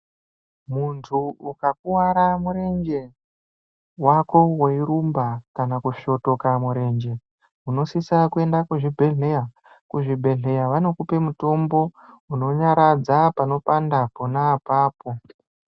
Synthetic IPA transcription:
muntʰuukak̚uwaɾamuɾe̞nd͡ʒe̞ | wako̞weiɾumbakanakuʃo̞to̞kamuɾe̞ːɲd͡ʒe̞ | uno̞sisakue̞ndakuʐibʱe̞ɮeja | kuʐibʱe̞ɮe̞jaʋano̞kupe̞muto̞mbo̞ | uno̞ɲaɾad͡zapano̞pandaponaːpaːpo̞

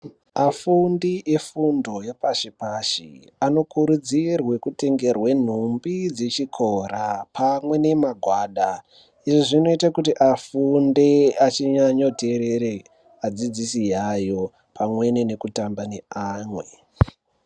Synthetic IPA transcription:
afundiʔe̞fundo̞jepaʃipaʃḭ | ano̞kuɾud͡zirwekute̞ŋɡe̞rwe̞n̤umbid͡zet͡ʃikʰo̞ɾapʰamwe̞ne̞maɡʱwaːɗa | iʐiʐino̞itakutiʔafundeat͡ʃiɲaɲote̞ɾeɾe | ad͡zid͡zisijajo̞ | pʰamwe̞nene̞kutambane̞aːmwe̞

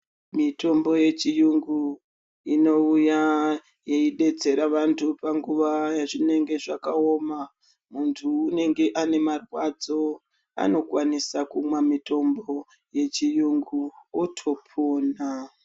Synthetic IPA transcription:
mito̞mbo̞je̞t͡ʃijuŋɡu | ino̞uja | jeiɗe̞d͡ze̞ɾaʋantʰupaŋɡuʋajaʐine̞ŋɡe̞ʐakao̞ma | muntʰuːne̞ŋɡe̞ʔane̞marwad͡zo̞ | a̰no̞kwanisakumwamito̞mbo̞ | je̞t͡ʃijuŋɡuotʰo̞pʰoːna

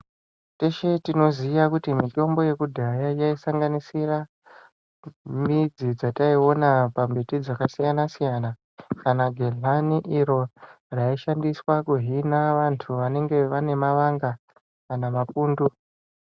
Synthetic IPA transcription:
te̞ʃe̞tino̞zijakutimito̞mbo̞je̞kudʱajajaisaŋɡanisira | mid͡zid͡zataio̞napambitid͡zakasijanasijana | kanaɡʱeɮaniʔiɾo̞ | raiʃandiswakuɦinaʋantʰuʋane̞ŋɡe̞ʋane̞maʋaŋɡaː | namapuːndu

